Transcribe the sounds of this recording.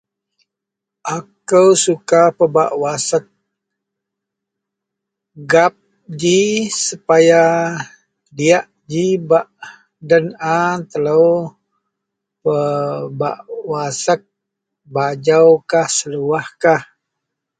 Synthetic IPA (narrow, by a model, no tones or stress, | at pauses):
ʔakəwsukapəba̰ʔwasək̚ | ɡap̚ | d͡ʒisəpaja | diaʔ | d͡ʒibaʔ | dənat̪ələw | pəba̰ʔwasək̚ | bad͡ʒawkahsəluahkah